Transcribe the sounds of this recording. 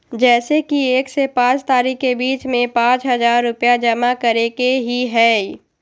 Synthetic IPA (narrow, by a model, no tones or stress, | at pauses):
d͡ʒɛːsekieːksepãːt͡ʃt̪aːɾiːkkebiːt͡ʃmẽpãːt͡ʃɦɐzaːɾːʊpjad͡ʒɐmakɐɾekeɦiɦɛː